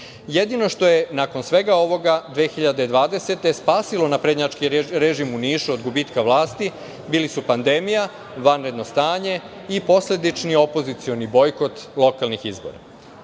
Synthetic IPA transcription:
jed̪ino̞ʃt̪o̞je̞nako̞nsʋe̞ɡao̞ʋo̞ɡad̪ʋeːxiʎad̪ed̪ʋaːd̪e̞se̞t̪e̞spaːsilo̞napɾed̪ɲat͡ʃkiɾeʒimuniːʃuod̪ɡubiːt̪kaʋlaːst̪i | biːlisupand̪e̞mija | ʋanɾe̞d̪no̞st̪aːɲe̞ | ipo̞sle̞d̪it͡ʃnio̞po̞zit̪sio̞nibo̞jko̞t̪lˠo̞kalnixizbo̰ɾa̰

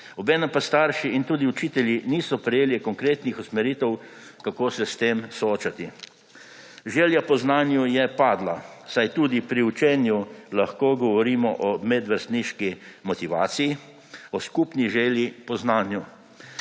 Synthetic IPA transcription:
ɔbɛːnɛmpast̪aɾʃiint̪uːd̪iut͡ʃiːt̪ɛljiniːsɔpɾɛjeːlikɔŋkɾeːt̪nixusmɛɾiːt̪ɛw | kakoːsɛst̪eːmsɔoːt͡ʃat̪i | ʒeːljapɔznaːnjujɛpaːd̪lasajt̪uːd̪ipɾiut͡ʃɛːnjulaxkoɡɔʋɔɾiːmɔʔɔmɛd̪ʋəɾst̪niʃkimɔt̪iʋaːt̪siji | ɔskupniʒeːljipɔznaːnju

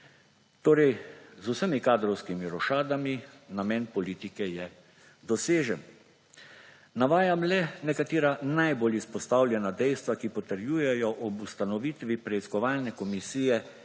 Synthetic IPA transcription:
t̪oːɾɛjzusəmikaːd̪ɾɔwskimiɾɔʃaːd̪aminamɛnpɔliːt̪ikɛjɛ | d̪ɔseːʒɛn | naʋaːjamlɛnɛkat̪eːɾanajboːlispɔst̪awlʲjɛnad̪ɛjst̪ʋakipɔt̪əɾjuːjɛjɔʔɔbust̪anɔʋiːt̪ʋipɾɛiskɔʋaːlnɛkɔmisiːjɛ

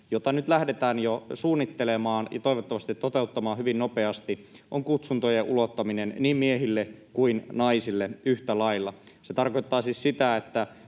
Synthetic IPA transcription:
jot̪ɑnyt̪læhdet̪æːnjosuːnːit̪ːelemɑːnjɑ̰t̪oiʋot̪ːɑʋɑst̪it̪tot̪eut̪ːɑmɑːhyʋinnopeɑst̪iʔoŋkut̪sunt̪ojeʔulot̪ːɑminenniːmmieɦilːekuinnɑisilːeyht̪ælɑilːɑset̪ɑrkoit̪ːɑːsissit̪æet̪ːæ

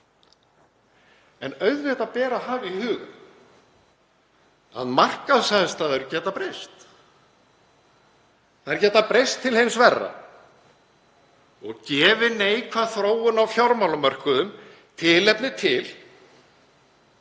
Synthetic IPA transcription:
ɛnœɥðvɛt̪apɛːɾaɦaːvihʏːɣʏ̰n | a̰ðmar̥kaðsaðst̪aːðʏɾcɛːt̪apɾejst̪ | θaðɛɾcɛːt̪apɾejst̪ʰːɪlhejnsvɛrːa̰ | ɔɣcɛːvɪneːjkʰvaθɾoːwʏnawfjɔɾmawlʏmœr̥kʏðʏm | t̪ʰɪlɛpnɪt̪ʰɪl

